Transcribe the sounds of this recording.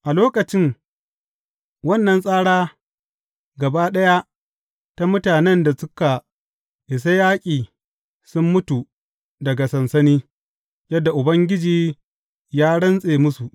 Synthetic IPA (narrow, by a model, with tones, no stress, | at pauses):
ʔa˨loː˦kɐ˨t͡ʃɪ˦ŋ | wɐ˦nːɐ˨nsʼaː˦ɽaː˦ | ɡɐ˨ba˦ɗɐ˦ja˦ | ta˦mʊ˦taː˨nɛ˦nda˨sʊ˦ka˨ | ʔɪ˨s̬a˦jaː˦kʲʼiː˨ | sʊ˦mːʊ˦tu˨ | dɐ˨ɡa˨sɐ˨nsɐ˦niː˦ | jɐ˦dːa˨ʔʊ˨bɐ˦ŋɡʲɪ˦d͡ʒiː˨ | jaː˦ɽɐ˦nsʼeː˨mʊ˦su˨ʔ